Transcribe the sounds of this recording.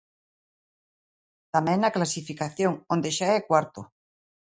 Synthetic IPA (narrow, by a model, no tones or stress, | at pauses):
t̪amɛ̃ŋnaklasifikaθjõŋõnd̪eʃaɛkwaɾt̪o